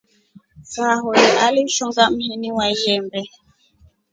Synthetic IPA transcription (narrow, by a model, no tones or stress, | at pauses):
kaɦɔjiʔalim̩ʃɔŋɡam̩hiniwajɛmbɛ